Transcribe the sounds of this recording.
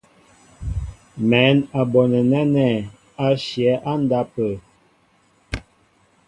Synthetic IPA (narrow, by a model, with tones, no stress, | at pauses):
mɛ˨˦na˨bɔ˨nə˨nɛ˦nɛ˦˨ | a˦ʃjɛ˨˦ʔa˦n˦da˦pə˨